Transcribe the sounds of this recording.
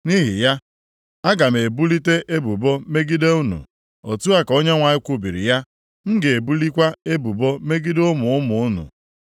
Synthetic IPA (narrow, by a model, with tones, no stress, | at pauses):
ni˦ɦi˨ja˦ | a˦ɡa˨m˨e˨bu˦li˦te˦ʔe˦bu˨bo˦me˦ɡi˦de˦u˦nṵ˨ | o˨tu˦a˦ko˦ɲe˦ŋʷa˨ɲɪ˦kʷu˦bi˨ɾḭ˨ja˦ | n̩˦ɡɪ˨e˨bu˦li˦kʷa˦e˦bu˨bo˦me˦ɡi˦dʊ˦mʊ˨ʊ˦mʊ˨ʊ˦nṵ˨